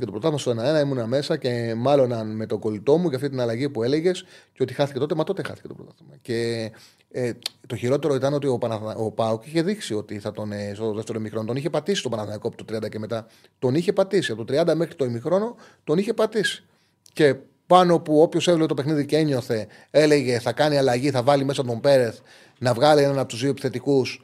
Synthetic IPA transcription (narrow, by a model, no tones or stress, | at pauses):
icet̪opɾot̪ɐðimɐst̪oenɐe̞nɐimunɐme̞sɐce̞mɐlo̞nɐnme̞t̪o̞ɡo̞lit̪o̞muʝɐft̪it̪inɐlɐʝipue̞le̞ʝe̞sceo̞t̪ixɐθicet̪ot̪e̞mɐt̪o̞t̪e̞xɐ̰θi̥ce̞t̪o̞pɾot̪ɐθimɐce̞ | t̪o̞çiɾo̞t̪e̞ɾo̞it̪ɐno̞t̪io̞pɐnɐopɐokiçe̞ðiksio̞t̪iθɐt̪o̞nest̪oðeft̪eɾoimixɾo̞nt̪o̞niçe̞pɐt̪isi̥st̪o̞pɐnɐθnɐikopit̪ot̪ɾiɐnd̪ɐceme̞t̪ɐ | t̪o̞niçe̞pɐt̪isiɐt̪ot̪ɾiɐnd̪ɐme̞xɾit̪oimixɾo̞no̞ | t̪o̞niçe̞pɐt̪isi̥ | ce̞ | pɐno̞puo̞pço̞sevlet̪opexniðiceeɲo̞θe̞ | e̞le̞ʝe̞θɐkɐniɐlɐʝiθɐvɐlime̞s̬ɐot̪o̞mbe̞ɾe̞θ | nɐvɣɐlie̞nɐnɐpot̪uzðioepi̥θe̞t̪ikus